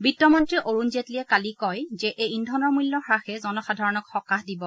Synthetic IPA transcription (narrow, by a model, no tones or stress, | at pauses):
bitːɔmɔntɹiʔoɹunzetliɛkalikɔjzɛʔejindʱɔnɔɹmulːɔxɹaxɛzɔnɔxadʱaɹɔnɔkxɔkaxdibɔ